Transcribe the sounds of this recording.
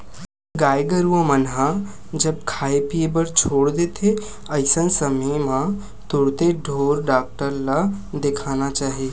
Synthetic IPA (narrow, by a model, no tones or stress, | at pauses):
ɡaːjɡəɾuʋə̃mənɦa | d͡ʒəb̚kʰaːepiebəɾt͡ʃʰoːɽd̪et̪ʰe | əɪsənsəməjmã | t̪ʊɽt̪eɖʱoːɾɖaːk̚ʈəɾla | d̪ekʰanat͡ʃaːɦie